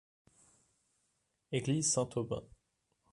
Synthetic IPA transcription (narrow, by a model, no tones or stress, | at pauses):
eɡlizsɛ̃t̪ʰobə̰̃